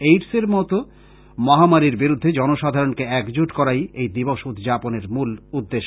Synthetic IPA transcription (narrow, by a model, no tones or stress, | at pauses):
ejʈseɾmɔt̪o | mɔɦamaɾiɾbiɾud̪ʱːed͡ʑɔnoʃad̪ʱaɾonkeɛkd͡ʑuʈkɔɾajejd̪iboʃud̪ʱd͡ʑaponeɾmulud̪ːeʃ